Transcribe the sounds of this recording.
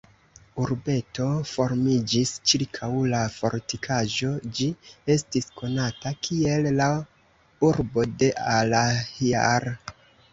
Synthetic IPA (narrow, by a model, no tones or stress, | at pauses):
uɾbe̞to̞fo̞ɾmid͡ʒist͡ʃiɾkʰawlafo̞̰ɾtikʰaʒo̞d͡ʒie̞stiskʰo̞natakʰie̞lːa | uɾbo̞de̞ʔalahia̰ɾ